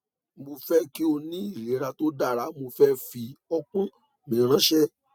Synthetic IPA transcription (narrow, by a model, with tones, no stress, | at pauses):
mo˧fɛ˦ki˦o˧nĩ˦i˦˨ɾe˨˦ɾa˧to˦da˦˨ɾa˨˦mo˧fɛ˦fi˧ɔ˦kũ˦ | mĩ˨ɾ̃ã˨˦ʃɛ˦